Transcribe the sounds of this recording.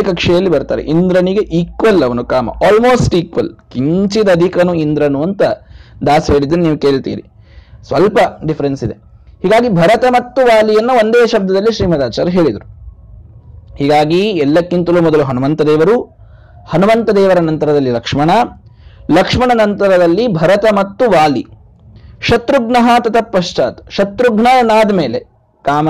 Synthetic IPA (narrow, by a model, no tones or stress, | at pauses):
kɐkʂɛjɐlːibɐɾt̪aːɾḛʔind̪ɾɐniɡeʔiːkʋɐlɐʋɐnukaːmɐ̰ʔaːlmoːsʈiːkʋɐ̰lkiɲt͡ʃid̪ɐːd̪ʱikɐnuind̪ɾɐnuɐnt̪ɐd̪aːsɦe̞ːɭid̪ːɐnniːʋuke̞ːɭt̪ḭːɾḭ | sʋɐlpɐɖifʰɐɾensid̪ḛ | hiːɡaːɡibʱɐɾɐt̪ɐmɐt̪ːuʋaːlijɐnːɐʋond̪eːʃɐb̚d̪ɐd̪ɐlːiʃɾiːmɐd̪aːt͡ʃa̰ːɾɐɦe̞ːɭid̪ɐɾu | hiːɡaːɡiɛlːɐkːint̪ɐlumɔd̪ɐluɦɐnumɐnt̪ɐd̪eːʋɐɾu | hɐnumɐnt̪ɐd̪ɛːʋɐɾɐnɐnt̪ɐɾɐd̪ɐlːilɐkʂmɐɳɐ | lɐkʂmɐɳɐnɐnt̪ɐɾɐd̪ɐlːibʱɐɾɐt̪ɐmɐt̪ːuʋaːli | ʃɐt̪ɾuɡnɐɦat̪ɐt̪ʰɐpːɐʃt͡ʃaːt̪ɐ̥ʃɐt̪ɾuɡnaːjɐnaːd̪ɐmeːle | kaːmɐ